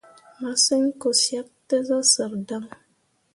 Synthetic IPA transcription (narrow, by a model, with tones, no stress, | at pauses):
ma˨˦sə˦ŋko˨sja˦k̚tə˦za˦sə˨ɾda˦ŋ